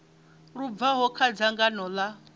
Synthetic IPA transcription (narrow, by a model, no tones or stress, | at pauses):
rub̪vaɦɔkʰad͡zaŋɡanɔla